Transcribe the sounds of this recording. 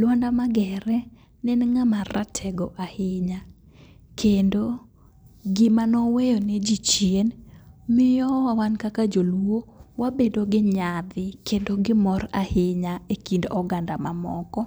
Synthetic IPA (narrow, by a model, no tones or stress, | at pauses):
lwandamaɡɛɾɛ | nɛnŋamaratʰɛɡɔʔahɪɲa | kʰendo | ɡɪmanɔwejɔnɛd͡ʒit͡ʃjenmɪjɔwawankakad͡ʒolwowabedoɡɪɲad̪ɪkendoɡɪmɔɾahɪɲaekindɔɡandamamɔkɔ